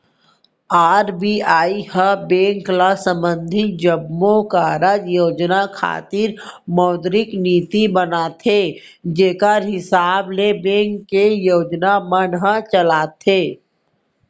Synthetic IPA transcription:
aːɾbiaːihəbẽːŋklasə̃mbə̃nd̪ʱid͡ʒəbmõkaːɾad͡ʒjoːd͡ʒnakʰa̰ːt̪ɪɾmɔːd̪ɾɪkniːt̪ibənat̪ʰe | d͡ʒeːkəɾɦɪsaːblebẽːŋkːejoːd͡ʒnamənɦət͡ʃəlaːt̪ʰeː

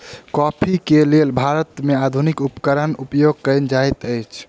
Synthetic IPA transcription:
kɔpʰikelelbʱaɾət̪mead̪ʱunikupkəɾənupjoɡ̚kəjnd͡ʒajt̪əjt͡ʃʰ

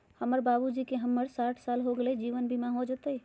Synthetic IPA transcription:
həməɾbabud͡ʒikeɦəmːəɾsaːʈʰsaːlɦoɡeled͡ʒiʋənbʱimãɦod͡ʒət̪əi

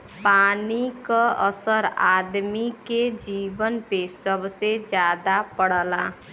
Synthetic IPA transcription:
paːnikaəsəɾaːd̪miked͡ʒiːbənpesəbsed͡ʒjaːd̪apəɽ̤əlaː

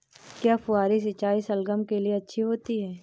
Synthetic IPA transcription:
kjaːfʊaːɾis̬ɪt͡ʃaːisɐlɡəmkelieɐtːʃʰiɦoːt̪iɦɛː

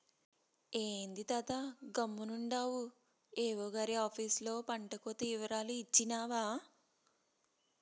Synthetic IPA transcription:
eːnd̪it̪aːt̪aɡɐmːunuɳɖaːwu | eːʋoːɡaːɾiaːpʰiːslo̞ːpɐɳʈɐkot̪iːʋɐɾaːluit͡ʃːinaːʋaː

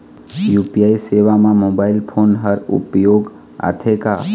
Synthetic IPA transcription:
jupijaiseʋamãmobaːɪlpʰoːnɦəɾṵpjoːɡ | a̰t̪ʰeka

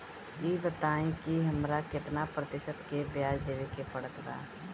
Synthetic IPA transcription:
iːbət̪aːĩkiɦɐmɾakɪt̪napɾət̪ɪʃət̪kebjaːd͡ʒd̪eːʋekepɐɽət̪ɡa̰ː

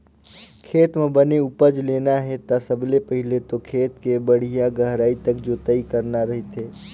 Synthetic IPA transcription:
kʰeːt̪mẽbɐneʊpəd͡ʒleːnaɦɛt̪asɐblepəɦɪlet̪okʰeːt̪kebɐɽ̤ijaɡɐɦɾaːit̪ɐkd͡ʒoːt̪ɐikɐɾnaɾɐɦet̪eː

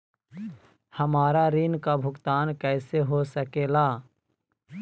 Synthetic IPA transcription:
həmaːɾaɾiːnkabʱʊkt̪aːnkɛːseɦosəkeːlaː

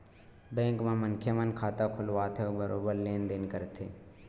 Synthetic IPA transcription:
bɛ̃ːŋkmãmənkʰjemənkʰaːt̪akʰʊlʋaːt̪ʰeobəɾʔoːbəɾleːnd̪eːnkəɾt̪ʰeː

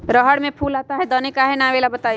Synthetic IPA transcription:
ɾəɦəɽmẽpʰuːlaːt̪aɦɛd̪ɔnɪkaɦɛnaʋeːlabət̪a

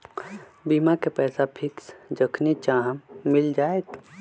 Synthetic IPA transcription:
biːmakepɛːsapʰɪksd͡ʒəkʰnit͡ʃaɦəmːɪld͡ʒaːet̪

